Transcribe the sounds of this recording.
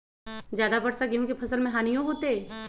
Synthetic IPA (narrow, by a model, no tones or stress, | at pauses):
zjaːd̪abɐɽsaɡiõkepʰɐsəlmẽɦaːnijõɦoːt̪eɛ